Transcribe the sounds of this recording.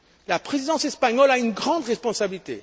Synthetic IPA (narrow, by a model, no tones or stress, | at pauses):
lapχezid̪ɑ̃sɛspaɲɔlaynɡʁɑ̃d̪ʁɛspɔ̃sabilit̪ḛ